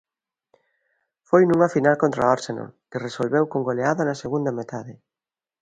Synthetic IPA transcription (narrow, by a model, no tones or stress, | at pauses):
fojnũŋɐfinalkõnt̪ɾaoɾseno̰kɪresolβewkoŋɡoleaðɐnɐseɣund̪ɐmet̪aðɪ